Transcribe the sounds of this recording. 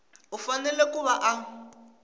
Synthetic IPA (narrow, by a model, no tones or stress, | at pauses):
ufanɛlɛkuβaʔa